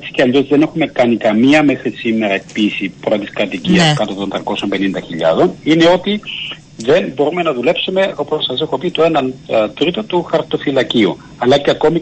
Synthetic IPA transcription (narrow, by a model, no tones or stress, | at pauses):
si̥ceɐʎo̞zðe̞ne̞xume̞kɐnikɐmiɐme̞xɾisimːe̞ɾɐekpisipɾot̪iskɐt̪iciɐskɐt̪ɐt̪o̞nt̪ɾɐko̞sombe̞nind̪ɐçiʎɐ̰ðo̞nine̞o̞t̪i | ðe̞nbo̞ɾume̞nɐðule̞psume̞o̞po̞sːɐsexopit̪o̞e̞nɐnt̪ɾit̪o̞t̪uxɐɾt̪o̞filɐciu | ɐlɐceɐko̞mi